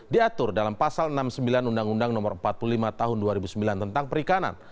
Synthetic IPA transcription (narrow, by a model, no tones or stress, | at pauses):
diat̪ʊrdalampasalənamsəmbilanundaŋundaŋnɔmɔrm̩pat̪̚pululimat̪aɦʊnduaɾibusəmbilant̪ənt̪aŋpəɾikana̰n